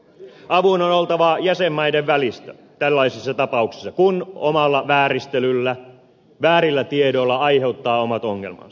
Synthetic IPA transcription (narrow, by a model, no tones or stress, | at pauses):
ɑʋunonolt̪ɑʋɑjæsemːɑjdeʋʋælist̪æ | t̪ælːɑisisːɑt̪ɑpɑuksi̥sːɑkuno̰mɑlːɑʋæːɾist̪elylːæ | ʋæːɾilːæt̪iedolːɑɑjhe̞ut̪ːɑːomɑt̪oŋːelmɑ̰nsɑ̥